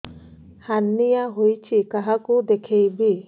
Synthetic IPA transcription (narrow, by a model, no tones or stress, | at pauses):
hanːijaɦojt͡ʃʰikaɦakud̪ekʰejbi